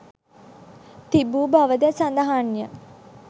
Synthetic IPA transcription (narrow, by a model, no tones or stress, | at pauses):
t̪ibuːbaʋəd̪ɛsand̪aɦanjə